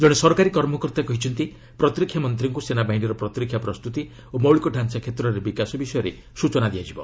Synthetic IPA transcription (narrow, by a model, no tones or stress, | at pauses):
d͡ʒɔɽ̃esɔɾkaɾikɔɾmɔkɔɾt̪akɔɦit͡ʃʰɔnt̪i | pɾɔt̪ɾikʰjamɔnt̪ɾiŋkusenabaɦiɳɖiɾɔpɾɔt̪ɾikʰːjapɾɔst̪ut̪i | omɔwɭikɔɖʱansakʰet̪ɾɔɾebikasɔbisɔjɔɾe | sut͡ʃɔnad̪ijad͡ʒibɔ